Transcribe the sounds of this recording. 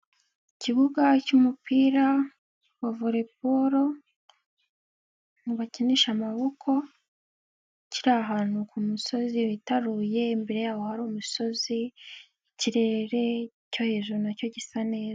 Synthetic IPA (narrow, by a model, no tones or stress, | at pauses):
iciβuɡacumupiːɾa | wavuɾe̞puɾo̞ | niβaceniʃamaβokʰo̞ | ciɾaɦaːn̥hukumuso̞ziβitaɾuje̞mbe̞ɾe̞jaːwo̞haɾuːmuso̞zi | iciɾe̞ɾe̞ | co̞he̞ːʒuɾunaco̞ɟisane̞ːza